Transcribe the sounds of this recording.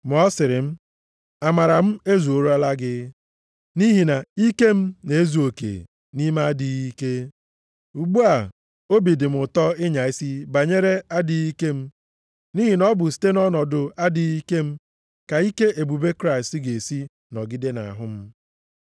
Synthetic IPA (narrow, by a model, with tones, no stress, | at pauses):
m˨ɔ˦sɪ˨ɾɪ˨m̩˦ | a˨ma˨ɾa˨m̩˦e˦zu˨o˨ɾu˦a˦la˦ɡɪ˦ | ni˦ɦi˨na˨i˦ke˦m̩˦ne˨e˦zu˨o˨kḛ˨ | ni˦ma˦a˦dɪ˨ɣi˦ke˦ | u˨ɡ͡bu˦a˨ | o˦bi˨dɪ˨m̩˨ʊ˨tɔ˦ɪ˦ɲa˨i˦si˦ba˨ɲe˦ɾe˦a˦dɪ˨i˦ke˦m̩˦ | ni˦ɦi˨nɔ˦bʊ˨si̥˨te˦nɔ˦nɔ˨dʊ˨a˦dɪ˨i˦ke˦m̩˦ | ka˨i˦ke˦e˨bu˨be˦kɾa˦ɪ˨stɪ˦ɡe˨si˦ | nɔ˨ɡɪ˦de˦na̰˨a̰˨ɦʊ˦m̩˦